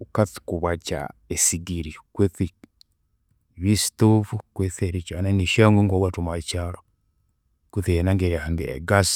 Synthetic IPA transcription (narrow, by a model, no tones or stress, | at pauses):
ukati̥kuβat͡ʃa̰esiɡiɾikweθi | βistofukweθeɾit͡ʃananiʃaŋɡoŋɡowatumat͡ʃalo | keθienaŋɡeɾihaŋɡiḛɡas